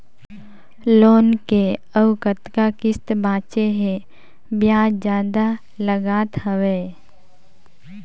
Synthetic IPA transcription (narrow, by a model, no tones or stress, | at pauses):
loːnkeəʊkət̪kakɪst̪bãːt͡ʃeɦẽ | bjaːd͡ʒjaːd̪a | ləɡaːt̪ɦəweː